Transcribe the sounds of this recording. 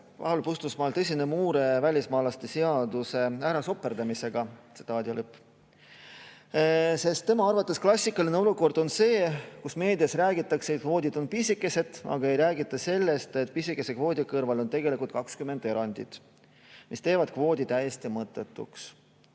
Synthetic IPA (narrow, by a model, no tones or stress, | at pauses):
vɑ̰hulpust̪usmɑːlt̪ɤsʲinemuːɾe̞vælʲismɑːlɑst̪e̞seɑd̪̥use̞æːɾɑso̞pːˑe̞rd̪̥ɑmise̞ɡ̥ɑt̪sit̪ɑːd̪iolɤpː | se̞st̪ːe̞mɑɑrvɑt̪ːˑesklɑsʲːikːˑɑline̞oluko̞rd̪̥o̞nse̞ːkusme̞ːd̪iɑsræːɡit̪ːˑɑkset̪̚kvo̞ːd̪̥ʲid̪̥o̞npisʲikːˑe̞se̞d̪̥ɑ̰ɡ̥ɑe̞jɾæːɡit̪ːˑɑse̞lːe̞st̪e̞t̪pisikːˑe̞se̞kvo̞ːd̪̥ʲikɤrvɑlo̞nt̪e̞ɡ̥e̞likult̪̚kɑkskyme̞nd̪̥e̞ɾɑnʲd̪̥ḭd̪̥ | mʔist̪e̞ːvɑd̪̥̚kvo̞ːd̪̥ʲit̪æjest̪imɤt̪ːˑe̞t̪ːṵks